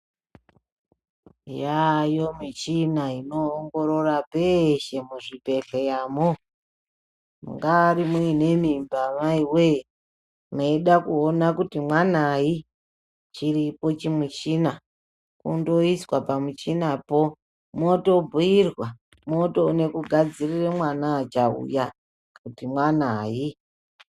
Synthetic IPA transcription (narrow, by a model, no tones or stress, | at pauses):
jajo̞mit͡ʃinaino̞ːŋɡo̞ɾo̞rapeʃe̞muʐipe̞ɬejaːmo | mṵŋɡaːrimuine̞mimbamaiwe | noiɗakuonakutimwanai | t͡ʃiɾipo̞t͡ʃimut͡ʃina | kṵndo̞iswapamut͡ʃinapo̞ | moto̞bʱuirwa | mo̞to̞ne̞kuɡʱad͡ziriremwanaːt͡ʃaṵja | kutimwanaːji